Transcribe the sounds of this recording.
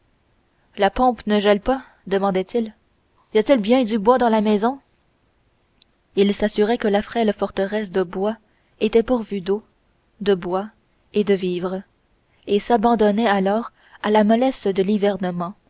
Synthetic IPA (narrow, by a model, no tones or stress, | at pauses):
lapɔ̃pnəʒɛlpa | d̪əmɑ̃d̪ɛt̪il | ijat̪ilbjɛ̃d̪ybwad̪ɑ̃lamɛzɔ̃ | ilsasyʁɛkəlafχɛlfɔʁt̪əʁɛs̬d̪əbwa | et̪ɛpuʁvyd̪o | d̪əbwa | ed̪əviːvʁ | esabɑ̃d̪ɔnɛalɔːʁ | alamɔlɛsd̪əlivɛʁnəmɑ̃